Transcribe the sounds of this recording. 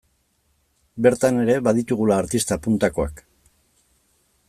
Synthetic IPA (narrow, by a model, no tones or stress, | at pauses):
be̞ɾt̪ane̞ɾe̞βaðit̪uɣ̞ulaːɾt̪ist̪apunt̪ako̞a̰k